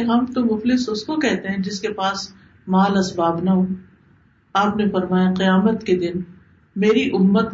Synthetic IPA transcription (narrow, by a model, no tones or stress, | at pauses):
ɦɐmt̪omʊflɪsʊskokɛɦt̪eɦɛ̃d͡ʒɪskepaːs | maːlɐsbaːbnaɦoː | aːpnẽfɐɾmaːjaqijaːmət̪ked̪ɪn | meːɾiʔʊmːət̪̚